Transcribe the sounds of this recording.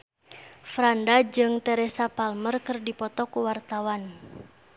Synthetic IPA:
fɾandad͡ʒɨŋt̪ɛɾɛsapalmərkərdipɔt̪ɔkuwart̪awan

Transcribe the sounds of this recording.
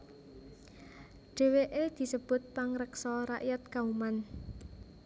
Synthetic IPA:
ɖ̥e̤weʔed̪̥i̤səb̥ʊ̤t̪̚paŋɾəksɔɾa̰ʔjat̪̚kauman

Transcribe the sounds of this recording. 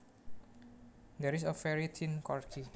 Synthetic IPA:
d̪ɛɾisəfɛɹit̪ʰinkɔɹkʰi

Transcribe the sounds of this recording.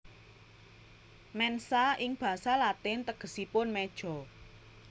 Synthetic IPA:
mɛnsaʔɪŋb̥ä̤salat̪ɪnt̪əɡ̥ə̤sipʊnmɛd̥ʒ̥ɔ̤

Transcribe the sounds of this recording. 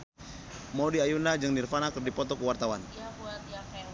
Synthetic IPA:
modiajunad͡ʒɨŋnirfanakɨrdipɔt̪ɔkəwart̪awan

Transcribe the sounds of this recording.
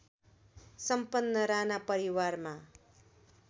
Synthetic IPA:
sʌmpʌnːʌɾanapʌɾiwarma

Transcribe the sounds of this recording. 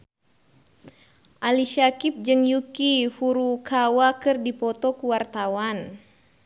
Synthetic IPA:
ʔaliʃakip̚d͡ʒɨŋjukifuɾukawakɨrdipɔt̪ɔkuwart̪awan

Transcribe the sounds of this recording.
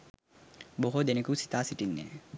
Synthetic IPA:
boɦod̪enekusi̥t̪aːsiʈinːḛ

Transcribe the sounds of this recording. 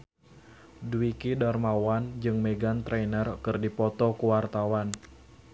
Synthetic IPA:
duikidɔrmawand͡ʒɨŋmeɡant̪ɾɛnərkɨrdipɔt̪ɔkuwart̪awan

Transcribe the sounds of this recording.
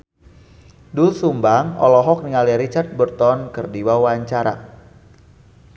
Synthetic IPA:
dusumbaŋɔ̰lɔɦɔk̚niŋaliɾit͡ʃart̪̚bərt̪ɔnkərdiwawaɲt͡ʃaɾa̰

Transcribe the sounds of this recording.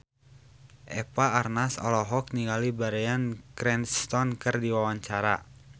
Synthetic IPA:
ʔɛpaːrnasɔ̰lɔɦɔk̚niŋalibaɾɛankɾɛnst̪ɔnkɨrdiwawaɲt͡ʃaɾa̰

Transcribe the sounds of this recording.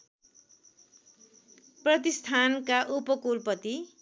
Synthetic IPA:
prʌt̪ist̪ʰankaʔupʌkulpʌt̪i

